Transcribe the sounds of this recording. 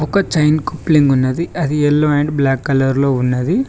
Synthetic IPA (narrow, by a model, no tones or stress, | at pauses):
ɔkɐt͡ʃɐjnkupliŋɡunːɐd̪iɐd̪iɛlːoːeɳɖblaːkːɐlɐɾloːunːɐd̪i